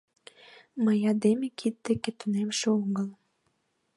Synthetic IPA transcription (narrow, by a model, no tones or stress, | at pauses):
məjɑd̪emekʰit̪̚ːeket̪ynemʃeoŋəl